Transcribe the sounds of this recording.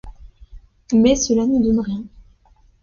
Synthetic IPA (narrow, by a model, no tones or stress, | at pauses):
mɛsəlanəd̪ɔnʁjɛ̃